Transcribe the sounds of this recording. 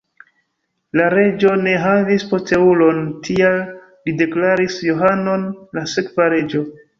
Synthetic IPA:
laɾe̞d͡ʒo̞ne̞ɦavispote̞ulo̞ntʰial | lide̞klaɾisjoɦano̞nlasekvaɾe̞d͡ʒo̞

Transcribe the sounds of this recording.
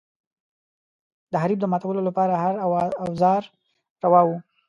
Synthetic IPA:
d̪əɦaɾib̚d̪əmɑt̪awəlolapɑɾahaɾawzɑɾ | ɾawɑwu

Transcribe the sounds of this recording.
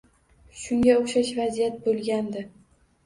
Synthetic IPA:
ʃʊŋɡʲaoχʃaʃvazijat̪̚bolˠɡʲand̪ɪ

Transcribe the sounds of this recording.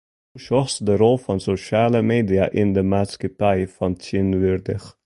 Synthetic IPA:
ʃɔsdəɾɔlˠfɔnsoʃaːləmeːdiaʔɪndəmaːtskəpʰæɪfɔntʰinvyɾdɪx

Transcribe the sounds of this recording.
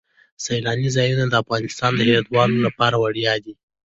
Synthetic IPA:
sajlɑnizɑjunad̪əafɣɑnɪst̪ɑnd̪əhewɑd̪wɑlolapɑɾawaɽjɑd̪i

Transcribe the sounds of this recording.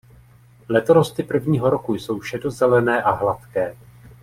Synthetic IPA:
lɛt̪oɾost̪ɪpr̩vɲiːɦo̞ɾo̞kujso̞wʃɛdo̞zɛlɛnɛːʔaɦlat̪kɛː

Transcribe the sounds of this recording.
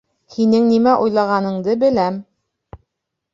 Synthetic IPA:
hinɘŋnimæʔujlˠɑʁɑnɤ̆ɴd̪ɤbɘ̆læm

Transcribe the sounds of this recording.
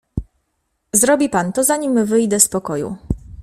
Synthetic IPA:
zɾɔbʲipant̪ɔzaɲimvɘjd̪ɛspɔkɔjṵ

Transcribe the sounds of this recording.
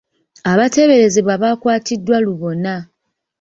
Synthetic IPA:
aβate̞βe̞ɾe̞ziβwaβaːkwaːtidːwaluβo̞na

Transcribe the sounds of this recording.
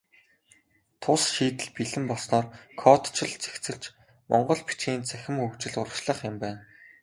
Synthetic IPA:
t̪ʰʊsʃiːt̪ɘ̆ɮpiɮɘ̆mpɔɮsnɔːrkʰɔt̪t͡ɕʰɪ̆ɮt͡sʰe̥xt͡sɘ̆kt͡ɕ | mʔɔ̰ɴɢɞ̆ɮpi̥t͡ɕiːnt͡sʰæxʲɪ̆mxɵwt͡ɕɪ̆ɮʊɾə̆kʃɮə̆χɪ̆mpæːn

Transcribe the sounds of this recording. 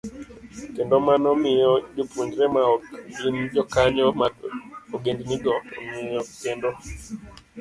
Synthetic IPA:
kendɔmanɔmɪjɔd͡ʒopuɲd͡ʒɾɛmaɡind͡ʒɔkaɲɔmaoɡendniɡɔmɪjɔkendo

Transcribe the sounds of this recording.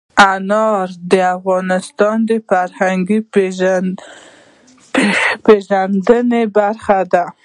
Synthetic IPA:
anɑɾd̪əafɣɑnɪst̪ɑnd̪əfaɾhaŋɡi | peʒand̪ənebaɾxad̪a

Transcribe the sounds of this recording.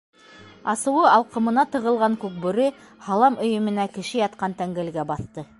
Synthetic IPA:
ɑsɤ̆wɤɑlˠqɤ̆mɤ̆nɑt̪ɤ̆ʁɤ̆lˠʁɑŋkʉk̚bɵ̆ɾɘ | hɑlˠɑmɵ̆jɵ̆mɘ̆nækɘ̆ʃɘjɑt̪qɑnt̪æŋɡɘ̆lɡæbɑθt̪ɤ

